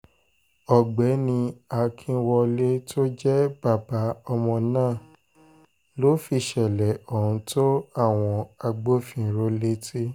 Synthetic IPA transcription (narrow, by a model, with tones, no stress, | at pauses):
ɔ˨ɡ͡bɛ˨˦nĩ˧a˧kʰĩ˧wɔ˧le˦tʰo˦d͡ʒɛ˦b̥a˦˨ba˨˦ɔ˧mɔ̃˧nãː˦˨ | lo˦fi˧˨ʃɛ˨lɛ˨ɔ˦˨ũ˧to˦a˦˨w̃ɔ̃˧a˧ɡ͡bo˦fĩ˧˨˦ɾo˧˦le˦ti˦